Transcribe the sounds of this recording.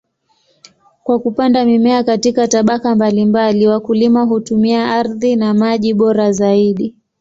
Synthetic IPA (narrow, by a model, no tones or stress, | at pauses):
kwakupandamimɛakatikataɓakambalimbaliwakulimaɦutumiaaɾðinamaʄiɓɔɾazaiɗi